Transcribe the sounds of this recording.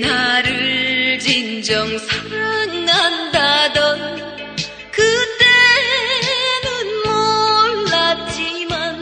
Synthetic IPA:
naɾɯɭd͡ʑind͡ʑʌŋsʰaɾannandadʌn | kɯt͈e | nɯnmʌɭːat̚t͡ɕiman

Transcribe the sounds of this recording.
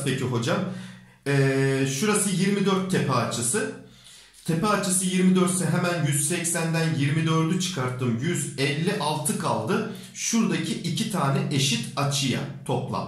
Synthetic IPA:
pʰecʰiɦo̞d͡ʒam | ɛːʃuɾasɯjiɾmid̪øɾt̪ʰːepʰɛːt͡ʃʰɯsɯ | t̪ʰepɛːt͡ʃʰɯsɯjiɾmid̪øɾt̪sɛɦemænjyz̥sɛcsænd̪ænjiɾmid̪ø̞ɾd̪yt͡ʃʰɯ̥kʰaɾt̪ʰːɯmjyzɛlʲːiʔalˠt̪ʰɯkʰalˠd̪ɯ | ʃuɾd̪acʰiʔicʰit̪ʰaːnɛʔeʃit̪at͡ʃʰɯja̰t̪ʰo̞plˠa̰m

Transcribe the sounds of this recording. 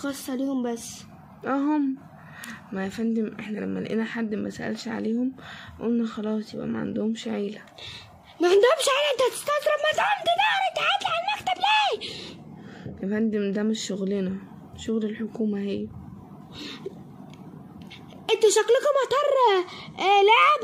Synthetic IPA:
xɑsˤːʕaleːhombæsː | ʔæɦomː | æjefænd̪emʔeħnælæ̰mːæ̰lʔenæħad̪ːmæsæʔæ̰lʃʕa̰leːhomʔolnæxɑlɑːsˤjebʔæ̰mæ̰ʕa̰nd̪ohomʃʕeːlæ | mæʕand̪ohomʃʕeːlæʔent̪æht̪e̥st̪ɑd̪ˤɾˤɑbmænt̪ʕand̪id̪æent̪ʕat̪liʕalmækt̪æblæː | jefænd̪emd̪æmeʃːoɣlenæ | ʃoɣlelħokuːmæhejː | ʔent̪æʃæklekɑmɑt̪ˤɑrˤːɑ | læʕeb

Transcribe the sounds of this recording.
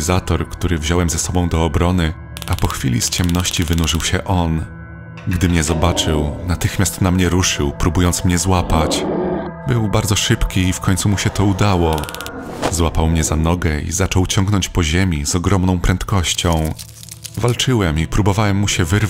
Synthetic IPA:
zat̪ɔɾkt̪uɾɘvʑɔwɛmzɛsɔbɔ̃w̃d̪ɔːbɾɔnɘ | apɔxfʲḭlʲḭst͡ɕɛmnɔɕt͡ɕivɘnuʐɘwɕɛʔɔn | ɡd̪ɘmɲɛzɔbat͡ʂɘwnat̪ɘxmʲjast̪namɲɛɾuʂɘwpɾubujɔnt̪smɲɛzwapat͡ɕbɘwbaɾd̪zɔʂɘpkʲiiːfkɔɲt̪sumuɕɛt̪ɔud̪awɔ | zwapawmɲɛzanɔɡɛḭzat͡ʂɔwt͡ɕɔŋɡnɔɲt͡ɕpɔʑemʲiz̥ɔɡɾɔmnɔ̃w̃pɾɛnt̪kɔɕt͡ɕɔ̃w̃ | valt͡ʂɘwɛmipɾubɔvawɛmːuɕɛvɘɾ

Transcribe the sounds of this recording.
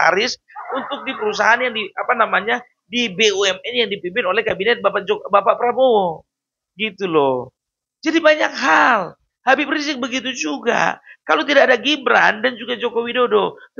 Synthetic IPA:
a̰ɾɪs | unt̪ʊk̚dipəɾusaɦanjaŋdiapanamaɲa | dibeuɛmɛnjaŋdipimpɪnolɛhkabinɛt̪̚bapad͡ʒobapaʔpəɾaboo | ɡit̪ulɔ | d͡ʒadibaɲak̚ɦal | habipɾis̬ɪk̚bəɡit̪̬ud͡ʒuɡa̰kalot̪̬idakadaɡibɾa̰ndand͡ʒuɡad͡ʒokowidodo

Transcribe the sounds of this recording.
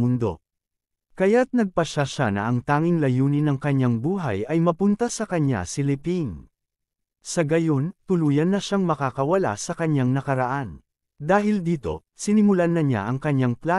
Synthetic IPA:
mʊnd̪o̞̰ | kɐjat̪̚nɐɡ̚pɐʃaʃanɐ̰ɐŋt̪aːŋɪŋlɐjuːnɪnɐŋkɐɲaŋbuːɦɐ̰jɐjmɐpʊnt̪ɐsɐkɐɲːa̰sɪlɪpiŋ | sɐɡɐjo̞nt̪ʊluːjɐnːɐʃaŋmɐkaːkɐwɐla̰sɐkɐɲaŋnɐkɐɾɐʔan | d̪aːɦɪld̪iːt̪o̞̰ | sɪnɪmʊlanɐɲa̰ʔɐŋkɐɲaŋplaː

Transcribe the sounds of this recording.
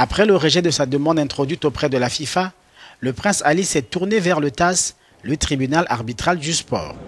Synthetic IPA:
apχɛləʁeʒɛd̪əsad̪əmɑ̃d̪ɛ̃t̪χod̪ɥit̪opχɛd̪əlafifa | ləpχɛ̃salisɛt̪uʁnevɛʁlət̪as | lət̪χibynalʔa̰ʁbit̪χald̪yspɔ̰ːʁ

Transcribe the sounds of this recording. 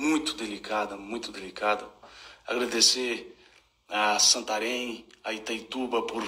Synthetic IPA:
mũj̃t̪ʊd̪elikad̪ɐmũj̃t̪ʊd̪elikad̪ɐaɡɾad̪ese | asɐ̃nt̪aɾẽj̃ait̪ajt̪ubɐpoɾ

